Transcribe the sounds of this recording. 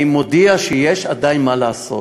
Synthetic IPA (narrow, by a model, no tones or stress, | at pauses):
imod̪iaʃejeʃad̪ajinmaleaso̞̰